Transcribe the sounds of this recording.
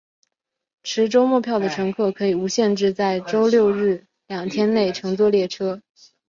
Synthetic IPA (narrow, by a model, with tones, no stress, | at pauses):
ʈ͡ʂʰɻ̩˧˥ʈ͡ʂo˥ʊmwɔ˥˧pʰjɑ˥˩ʊd̪ə˩ʈ͡ʂʰɤ˧˥ŋkʰɤ˥˩kʰɤ˧˥i˨˩u˧˥ɕjɛ˥˧nʈ͡ʂɻ̩˥˧t͡sa˥˩ɪʈ͡ʂo˥ʊljo˥˧ʊɻɻ̩˥˩ | ljɑ˨˩ŋt̪ʰjɛ˥nne˥˩ɪʈ͡ʂʰɤ˧˥ŋt͡swɔ˥˧ljɛ˥˩ʈ͡ʂʰɤ˥